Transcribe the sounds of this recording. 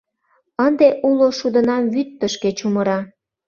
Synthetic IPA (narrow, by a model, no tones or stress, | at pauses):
ənd̪eʔuloʃud̪ə̆nɑmβyt̪ːəʃket͡ɕuməɾɑ